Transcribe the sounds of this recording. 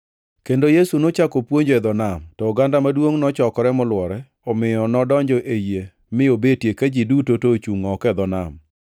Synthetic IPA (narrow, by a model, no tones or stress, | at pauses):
kendojesunot͡ʃakopwoɲd͡ʒoɛd̪ɔnamtɔːɡandamadwoŋnɔt͡ʃɔkɔɾɛmʊlwɔɾɛ | ɔmɪjɔnɔdɔɲd͡ʒɔʔeje | mɪobetjekad͡ʒidutotot͡ʃuŋɔkɛd̪ɔna̰m